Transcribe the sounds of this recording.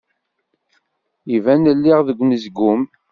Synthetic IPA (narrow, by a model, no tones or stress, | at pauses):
ivænəlːiʁðəɡʷːnəzɡʊm